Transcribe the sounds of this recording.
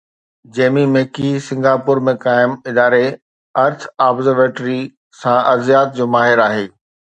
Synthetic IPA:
d͡ʑeːmimeːkisɪ̃ŋɡaːpʊɾmẽkaːɪmɪd̪aːɾe | ɐɾt͡ɕʰaːbzəɾʋeːʈɾi | sãʔɐzijaːt̪̚d͡ʑoːmaːɦɪɾaːɦeː

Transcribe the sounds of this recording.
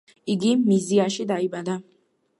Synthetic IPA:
iɡimiziaʃid̪aibad̪a

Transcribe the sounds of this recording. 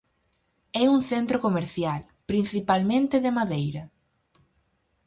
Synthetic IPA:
ɛuŋθent̪ɾokomeɾθjal | pɾin̟θipalmẽnt̪ɪðɪmaðejɾɐ

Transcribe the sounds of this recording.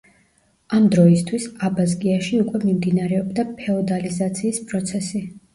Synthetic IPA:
amd̪ɾɔist̪ʰwisabazɡiaʃiukʼwɛmimd̪inaɾɛɔbd̪apʰɛɔd̪alizat̪sʰiːspʼɾɔt̪sʰɛsi

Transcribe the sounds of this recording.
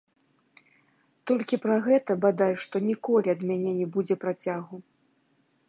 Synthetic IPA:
t̪ɔlʲkʲipɾɐɣɛt̪ɐbad̪ajʂt̪ɔnʲikɔlʲiɐd̪mʲanʲɛnʲɛbud͡zʲɛpɾat͡sʲaɣu

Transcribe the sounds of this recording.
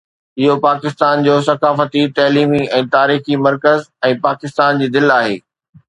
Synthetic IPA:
ɪɦopaːkɪst̪aːnd͡ʑoːsɐkaːfət̪it̪ɐːliːmiɛ̃ːt̪aːɾiːximɐɾkəzɛ̃ːpaːkɪst̪aːnd͡ʑiːd̪ɪlaːɦḛː

